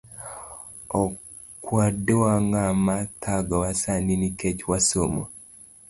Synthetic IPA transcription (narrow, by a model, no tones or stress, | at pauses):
o | kwadewaŋɡamatʰaɡawasaninikecwasomo